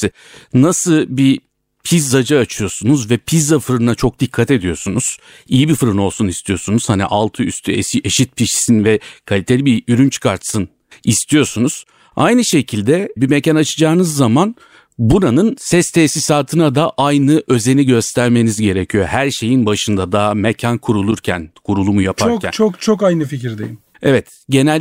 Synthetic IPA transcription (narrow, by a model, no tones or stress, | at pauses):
nasɯbi | pʰizːad͡ʒaːt͡ʃʰɯjo̞sunuzvɛpʰizːafɯɾɯnat͡ʃʰo̞k̚d̪ikʰːat̪e̞d̪ijo̞sunuz̥ | ijibifɯɾɯno̞lˠsunist̪ʰijosunuz̥hanḭʔalˠt̪ʰɯyst̪ʰyḛsiʔeʃit̪̚pʰiʃi̥sinvɛkʰalʲit̪ʰe̞lʲibiyɾynt͡ʃʰkʰaɾt̪sɯn | ist̪ʰijo̞sunuz̥ | a̰jnɯʃe̞cʰilʲd̪ɛbimecanat͡ʃʰɯd͡ʒaːnɯzːaman | buɾanɯnsɛst̪ʰɛsisaːt̪ʰɯnad̪aʔajnɯʔø̞ze̞niɟø̞st̪ʰæɾme̞nizɟe̞ɾecʰijo̞hæɾʃe̞jinbaʃɯnd̪ad̪aːmecʰankʰuɾulˠuɾcʰæ̰nkʰuɾulˠumujapʰaɾoæ̰t͡ʃʰokt͡ʃʰokajnɯficiɾd̪ḛjim | evɛt̪ | ɟe̞næl